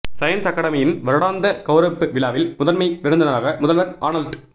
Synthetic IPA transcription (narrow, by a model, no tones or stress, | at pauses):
sɐjɐnsɐkːɐɽɐmɐjɪnʋɐɾɯɽaːnd̪ɐkɐʊɾɐpːɯʋɪlaːʋɪlmʊðɐnmɐɪʋɪɾɯnd̪ɪnɐɾaːɣɐmʊðɐlʋɐɾʔa̰ːnɐlʈ